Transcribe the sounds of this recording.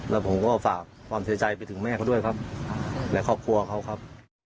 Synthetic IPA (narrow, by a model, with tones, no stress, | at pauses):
lʔɛː˦˥˩pʰo˩˦mkɔː˥˩fa̰ː˨˩k̚kʰwaː˧msʰi˦t͡ɕa˧jpa˧jt̪ʰɯ˩˦ŋmɛː˥˩kʰa˦˥wd̪u˥˩əjkʰa˦˥p̚lɛ˦˥kʰɔː˥˩p̚kʰu˧ɐ˧kʰa˦˥˩wkʰa˦˥p̚